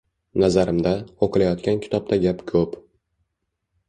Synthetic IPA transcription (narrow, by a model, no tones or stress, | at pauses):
nazaɾɪmd̪aoqɨlajɒt̪kʲankʲʰɪ̥t̪ʰɒb̚t̪ʰaɡʲapkʰɵp